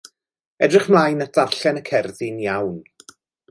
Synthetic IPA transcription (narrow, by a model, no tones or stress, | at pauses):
ɛdrɪχmlajnatð̥arɬɛnəkʰɛrðɪnjawn